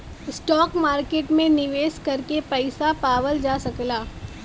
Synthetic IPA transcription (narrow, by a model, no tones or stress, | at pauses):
ɪsʈɔːkmaːɾkeːʈmẽnɪʋeːskɐɾkepɛɪsapaːʋəld͡ʒaːsɐklaː